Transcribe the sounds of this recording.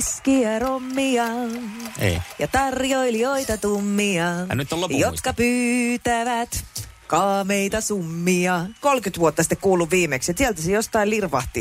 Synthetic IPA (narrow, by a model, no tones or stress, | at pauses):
skiæromːiɑ | ḛjɑt̪ɑrjoiljoit̪ɑt̪umːiɑ̰nyt̪ːolojot̪kɑpyːt̪æʋæt̪ | kɑːmeit̪ɑsumːiɑkolkyt̪ʋuot̪ːɑsi̥t̪ːekkuːlːuʋʋiːmekset̪siælt̪æsejost̪ɑilirʋɑ̰ht̪ḭ